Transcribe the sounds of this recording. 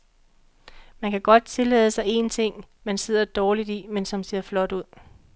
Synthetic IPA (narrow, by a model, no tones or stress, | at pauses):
mænkʰæɡ̥ɒ̽d̥̚t͡sʰe̝lɛ̰ːð̞ˠəsɑ̈ɪe̝̰nt͡sʰe̝ŋ̰ | mænse̝ð̰ˠɐd̥ɒːlid̥imensɒ̽mse̝ɐ̰flɒ̽d̥uð̞̰ˠ